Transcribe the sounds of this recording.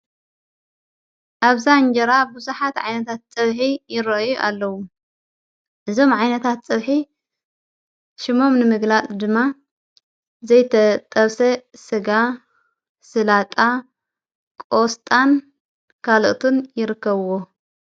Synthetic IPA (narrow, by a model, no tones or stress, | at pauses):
ʔaβzand͡ʒɐɾabuzuħat̪ʕajnɐt̪ʰat̪̚t͡sʼɐβħijɪɾɐʔjuʔa̰lːɐwu | ʔɨzo̞mʕajnɐt̪ʰat̪̚t͡sʼɐβħi | ʃɪmo̞mnɨmɨɡlat͡sʼd̪ɨmːa | zɐjt̪ʰɐt̪ʼɐβsɐsɨɡa | sɨlat̪ʼa | kʼo̞st̪ʼan | kʰalʔt̪ʰunjɪɾɨkːɐβwo